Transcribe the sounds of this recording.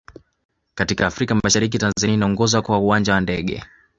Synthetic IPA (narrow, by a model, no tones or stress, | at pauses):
katikaːfɾikamaʃaɾik̬itanzainaɔŋɡɔzakwauand͡ʒawandɛɠɛ̰